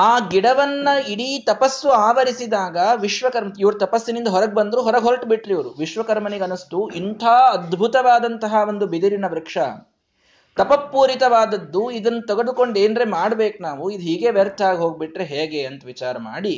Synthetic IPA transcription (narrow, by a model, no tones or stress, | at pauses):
aːɡiɽɐʋɐnːɐiɽiːt̪ɐpɐsːuaːʋɐɾisid̪aːɡɐʋiʃʋɐkɐɾmɐiʋɐɾut̪ɐpɐsːinind̪ɐɦɔɾɐɡ̚bɐnd̪ɾuɦɔɾɐɡɦolʈbiʈɾeiʋɐɾuʋiʃʋɐkɐɾmɐniɡɐnust̪uint̪ʰaːɐd̪bʱut̪ɐʋaːd̪ɐnt̪ɐɦɐʋo̞nd̪ubid̪iɾinɐʋɾɐkʂɐ | t̪ɐpɐpːuːɾit̪ɐʋaːd̪ɐd̪ːuid̪ɐnːut̪ɛɡɐd̪ukoɳɖeːnɾemaːɽbeːknaːʋuid̪uɦiːɡe̞ːʋɛɾt̪ʰaːɡiɦo̞ːɡ̚biʈɾeɦeːɡe̞ɐnt̪ɐʋit͡ʃaːɾɐma̰ːɽi